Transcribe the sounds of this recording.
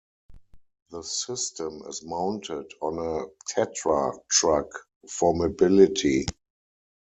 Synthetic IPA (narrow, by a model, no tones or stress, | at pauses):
ðəsɪstə̃mɪ̰zmãʊ̃ntʰɪdɔ̃nətʰɛtɹatɹak | fɔmobɪlɪtʰi